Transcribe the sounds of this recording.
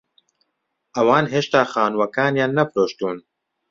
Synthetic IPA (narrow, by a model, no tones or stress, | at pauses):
ɐwaːnɦeːʃt̪aːxaːnwɐkaːnjaːnːɐfɾoːʃt̪uːn